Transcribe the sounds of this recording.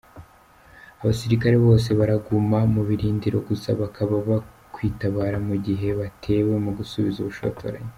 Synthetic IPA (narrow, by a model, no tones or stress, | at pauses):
aβasiɾikaɾe̞βo̞ːs̬e̞βaɾaɡumamuβiɾiːndiɾo̞̰ɡusa̰βakʰaβaβa | kwiːtaβaːɾamuɟiɦe̞βatʰe̞ːwe̞muɡusuβizuβuʃo̰tʰo̰ɾa̰je